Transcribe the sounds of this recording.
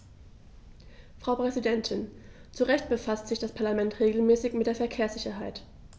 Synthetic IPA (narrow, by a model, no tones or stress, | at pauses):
fʁ̥aʊpʁ̥ɛzidɛntʰɪn | t͡suʁɛçt̚b̥əfastz̥ɪçd̥aspʰaɐlamɛntʁeːɡl̩mɛːsɪçmɪtd̥eːɐfɛɐkʰeːɐsz̥ɪçɐɦaɪt